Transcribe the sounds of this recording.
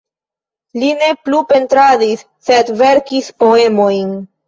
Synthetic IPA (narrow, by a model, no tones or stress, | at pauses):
line̞plupe̞ntɾadisːe̞dve̞ɾkispo̞e̞mo̞jn